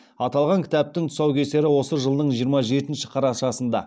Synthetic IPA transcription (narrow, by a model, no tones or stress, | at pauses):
ɑt̪ɑlˠʁɑŋkʲʰɪ̥t̪æp̚t̪ɪŋt̪ʰʊ̥sɑwkʲʰe̞se̞ɾɪwo̞səʒəlˠd̪əɴʒijəɾmɑʒe̞t̪ɪnʃɪqʰɑɾɑʃɑsənd̪ɑ̰